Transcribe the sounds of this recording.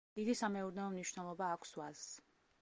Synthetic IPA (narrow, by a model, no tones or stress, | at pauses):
d̪̥id̪isamɛuɾnɛɔmniʃvnɛlˠɔbaːkʷʰswazs